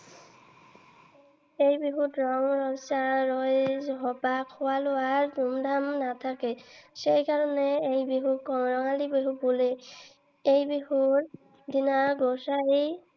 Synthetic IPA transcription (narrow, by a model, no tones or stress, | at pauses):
ejbiɦutɹɔŋɹɔsaɹɔjɦɔpakʰːʊwalʊaɹdumdʱamnat̪ʰakɛsejkaɹɔnɛejbiɦukɹɔŋalibiɦubule | ejbiɦuɹ | dinaɡɔsaej